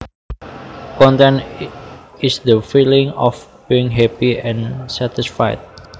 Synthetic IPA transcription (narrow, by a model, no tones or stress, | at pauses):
kɔ̃nt̪ɛ̃n | isd̪əfilĩŋɔfb̥iiŋɦɛpiɛ̃nsɛt̪isfa̰jt̪̚